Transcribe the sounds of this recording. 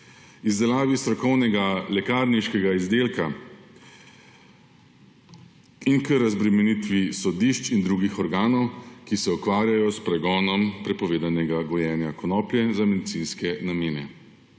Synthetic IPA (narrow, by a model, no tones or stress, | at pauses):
izd̪ɛlaːʋist̪ɾɔkɔwnɛɡalɛkaːɾniʃkɛɡaizd̪eːlka | inkəɾazbɾɛmɛnit̪ʋisɔd̪iʃt͡ʃind̪ɾuːɡixɔɾɡaːnɔwkisɛukʋaːɾjajɔspɾɛɡɔːnɔmpɾɛpɔʋeːd̪anɛɡaɡɔjɛːnjakɔnɔːpljɛzamɛd̪it̪sinskɛnameːnɛ